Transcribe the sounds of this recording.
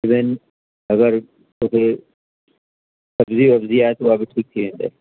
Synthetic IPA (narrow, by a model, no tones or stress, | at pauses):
ɪbɪn | ɐɡəɾ | t̪oːkʰe | sɐbziɐbziaːet̪oaːbiʈʰiːk̚t̪ʰiʋẽːnd̪ḛː